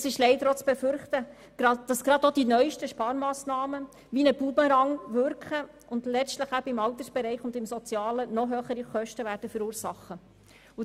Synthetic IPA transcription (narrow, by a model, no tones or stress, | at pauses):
sɪʃlɛɪdəɾot͡sb̥ɛfʏɾχt̪ə | ɡ̥ɾɑd̥ɑsɡ̥ɾɑdod̥inœʏʃtəʃpɑːɾmɑːsnɑːmə | ʋinəb̥ubəɾɑŋʋʏɾkχə | ʊndlɛstləχæbəɪmɑlt̪əsb̥ɛɾɛɪχʊndɪmsɔt͡sjɑːlənɔɦøːχəɾiχœʃtəʋæːɾd̥əfʏɾuːɾsɑχːə | ʊ